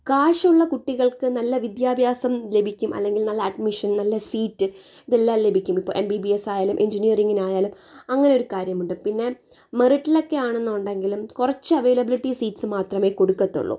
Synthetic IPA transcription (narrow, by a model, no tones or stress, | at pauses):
kaːʂɐuɭːɐkuʈːiɣɐɭkɨnɐlːɐʋid̪jaːbʱjaːsɐmle̞bʱikʲːumʔɐ̰lːe̞ŋɡilnɐlːɐːɖmiʂɐnnɐlːɐsiːtːɨ | iðelːaːmle̞bʱikʲːumipːo̰ɭʔembibiesaːjaːlumʔeɲd͡ʑinijɐriŋːinaːjaːlum | ɐŋːɐneo̞ɾukaːɾjɐmuɳɖɨpinːe̞ | meriʈːilo̞kːe̞aːɳenːuuɳɖe̞ŋɡilumkurɐt͡ɕːɨɐʋe̞ːlɐbiliʈːisiːtsɨmaːt̪rɐme̞ːko̞ɽukːɐt̪ːṵɭːo̰